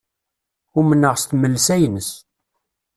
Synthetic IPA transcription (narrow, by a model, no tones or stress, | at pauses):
ʊmənːəʁst̪məlːsæjnəs